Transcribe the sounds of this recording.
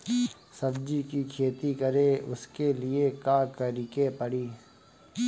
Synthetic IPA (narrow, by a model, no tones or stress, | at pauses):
sɐbd͡ʒikikʰeːt̪ikɐɾeʊ̰skeliekaːkɐɾɪkepɐɽiː